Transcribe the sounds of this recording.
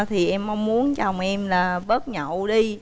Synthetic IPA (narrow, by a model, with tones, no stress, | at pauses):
t̪ʰi˨˩ʔɛ˧mʔa˧wŋ͡mmu˨˦ənt͡ɕa˨˩wŋ͡mʔɛ˧mlaː˨˩ɓə˦˥t̚ɲə̰˧˨wɗi˧